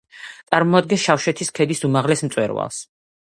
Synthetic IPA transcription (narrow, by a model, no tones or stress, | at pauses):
t̪sʼaɾmɔad̪̚ɡɛnsʃafʃɛt̪ʰiskʰɛd̪isumaʁlɛsmt̪sʼwɛ̰ɾwa̰lˠs